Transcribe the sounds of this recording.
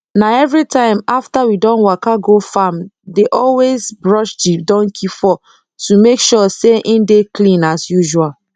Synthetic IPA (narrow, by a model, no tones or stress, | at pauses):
naɛvɹitʰãɪ̃maftawidɔ̃nwɔkaɡofamdeʔɔlwezbɹɔʃdidɔ̃ŋkʰifɔ | tumekʃɔseʔĩndeklĩnasjuʒual